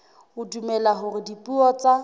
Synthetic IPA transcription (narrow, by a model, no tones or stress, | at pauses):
hʊdumɛlaɦʊrɪdipʼuɔt͡sʼa